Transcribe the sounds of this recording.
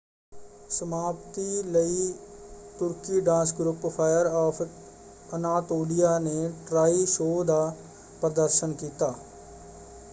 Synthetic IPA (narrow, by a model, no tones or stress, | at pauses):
səmaːpt̪iləi | t̪ʊɾkiːɖãːsɡɾʊppʰaːjəɾaːpʰ | ənaːt̪oːlɪjaːneʈɾaːiʃoːd̪aː | pɾəd̪əɾʃənkiːt̪aː